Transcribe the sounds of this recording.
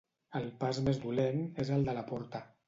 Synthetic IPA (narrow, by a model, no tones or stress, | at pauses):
əlˠpazmezd̪ulenezəlˠd̪ələpɔɾt̪ə